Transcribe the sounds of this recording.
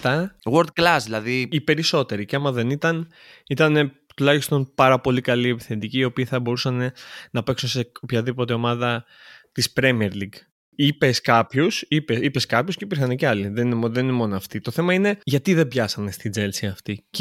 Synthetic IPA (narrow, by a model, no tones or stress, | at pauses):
t̪ɐɣoɾt̪̚klɐsðilɐðiipe̞ɾiso̞t̪e̞ɾiceɐmɐðe̞nit̪ɐn | it̪ɐne̞ | t̪ulɐçist̪o̞npɐɾɐpo̞likɐliepi̥θet̪iciːo̞piːθɐbo̞ɾusɐne̞nɐpe̞ksunseopçɐðipo̞t̪̬e̞o̞mɐðɐ | t̪ispɾemieɾliɡ | ipe̞skɐpçusipesipeskɐpçosceipiɾxɐneceɐliðenineðe̞ninemo̞noɐft̪it̪o̞θe̞mɐine̞ʝɐt̪iðe̞bʝɐsɐne̞st̪id͡ze̞lsiɐft̪ic